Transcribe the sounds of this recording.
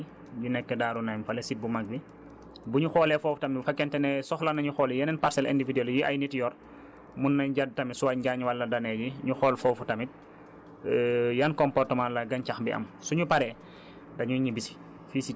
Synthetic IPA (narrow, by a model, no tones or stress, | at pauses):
ɟunɛkːɛdaːɾunajmfɐlɛsit̚bumaɡ̚bi | buɲuxɔːlɛfɔːfutɐmifɐkːɛntɛnɛsɔxlɐnɐɲuxɔːljɐnɛnparsɛlɛ̰ndividɛljiʔɐ̰jnitjɔr | munːɐɲɟad̚tɐmisuwaɟaɲwɐlːɐdɐnɛɟiɲuxɔːlfɔːfutɐmit̚ | jɐnkɔmpɔrtəmanlɐɡɐɲcaxbiʔɐ̰msuɲupɐɾɛː | dɐɲuɲibisi̥ | fisi